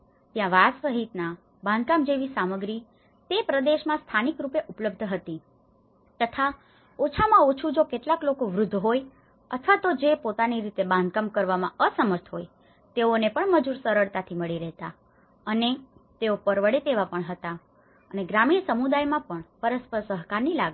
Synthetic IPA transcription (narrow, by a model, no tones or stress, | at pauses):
t̪jãʋasəɦit̪na | bãnd̪̚ʱkamd͡ʒeʋisaməɡɾi | t̪epɾəd̪eʃmãst̪ʰanikɾupeʔupləb̚d̪ʱɦət̪i | t̪ət̪ʰa | ot͡ʃʰamãot͡ʃʰũd͡ʒokeʈlaklokoʋɾʊd̪ʱːɦoj | ət̪ʰʋat̪od͡ʒepot̪aniɾit̪ebãnd̪̚ʱkamkəɾʋamãəsəməɾt̪ʰɦoj | t̪eonepəɳməd͡ʒuɾsəɾəɭt̪at̪ʰiməɭiɾəɦt̪a | ənet̪eopəɾʋəɽet̪eʋapəɳɦət̪a | əneɡɾamiɳsəmud̪ajmãpəɳpəɾəspəɾsəɦkaɾnilaɡ